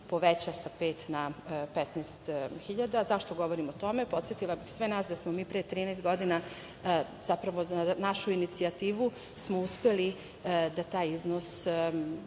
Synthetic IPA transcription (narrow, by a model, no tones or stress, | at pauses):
po̞ʋet͡ɕasapeːt̪napet̪nest̪xiʎad̪azaʃt̪o̞ɡo̞ʋoɾimot̪o̞mepo̞t̪sjet̪ilˠabixsʋenaːsd̪asmomiːpɾet̪ɾiːnɛːst̪̚ɡo̞d̪ina | z̥apɾaʋo̞zanaʃuinit̪siat̪iːʋu | smouspeli | d̪at̪aːjiznos